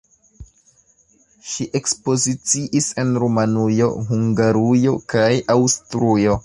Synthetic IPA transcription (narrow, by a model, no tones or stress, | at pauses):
ʃiʔe̞kspo̞zit͡siʔise̞nɾumanujo̞̰ɦuŋɡaɾujo̞kajawstɾujo̞